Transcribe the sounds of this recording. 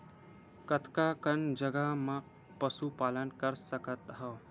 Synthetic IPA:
kət̪ʰkakənd͡ʒəɡamã | pəsupaːlənkəɾsəkət̪ɦəː

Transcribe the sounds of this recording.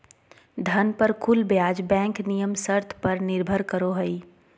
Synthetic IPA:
d̪ʱɐnpəɾkʰʊlbjaːd͡ʒbɛ̃ːŋknijəmsəɾt̪ʰpəɾnɪɾbʱəɾkəɾoɦəi

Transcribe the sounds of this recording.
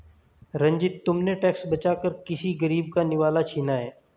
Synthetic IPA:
ɾɐ̃ɲd͡ʒɪt̪ːʊmneʈɛːksbɐt͡ʃaːkəɾkɪsiɡɐɾiːbkanɪʋaːlat͡ʃʰiːnaɦɛː

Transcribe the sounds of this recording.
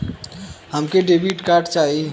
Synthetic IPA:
həmkeɖebiʈkaɾʈt͡ʃaɦi

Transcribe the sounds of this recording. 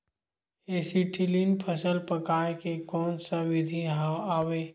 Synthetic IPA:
eːsiʈʰɪlinpʰəsəlpəkaːekekɔːnsaʋɪd̪ʱiaːweː

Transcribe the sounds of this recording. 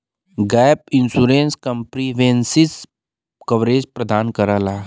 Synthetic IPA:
ɡɛːpɪnsuːɾẽːnskə̃mpɾiʋensɪs | kɐʋɾeːd͡ʒpɾəd̪aːnkɐɾaːlaː

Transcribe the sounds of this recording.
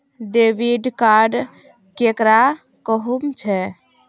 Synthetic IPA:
ɖeʋiɖkaɾɖ | kekɾa | kəɦumt͡ʃʰɛ

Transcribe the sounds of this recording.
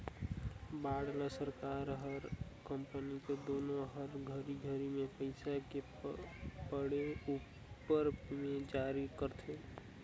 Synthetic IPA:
baɽləsəɾkaɾɦəɾkəmpəniked̪onoɦəɾɡʱəɾiɡʱəɾimepəɪsake | pəɽeu | pːəɾmed͡ʒaɾikəɾt̪ʰe

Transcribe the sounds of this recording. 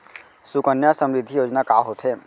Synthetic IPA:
sʊkənjasə̃mɾɪd̪ʱːijoːd͡ʒnakaːɦoːt̪ɦeː

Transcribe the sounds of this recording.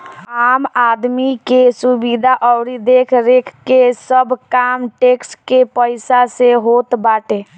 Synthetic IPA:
amad̪mikesubid̪ʱaʔəwɾid̪ekʰɾekʰkesəbʱkamʈekskepəɪsaseɦot̪baʈe

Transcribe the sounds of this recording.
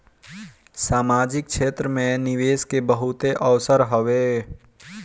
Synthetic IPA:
saːmad͡ʒɪk̚t͡ʃʰet̪ɾəmẽniʋeskebəɦut̪eʔəʋsəɾɦəʋe

